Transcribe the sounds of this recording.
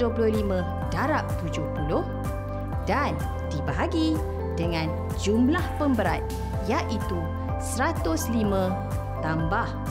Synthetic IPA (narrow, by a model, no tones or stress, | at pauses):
duəpulʊhlimə̃ | daɾap̚t̪ud͡ʒʊhpulʊh | dan | dibaɦaɡi | dəŋãn | d͡ʒumlahpəmbəɾat̪̚ | jaʔit̪u | səɾat̪ʊslimə̃ | t̪ambah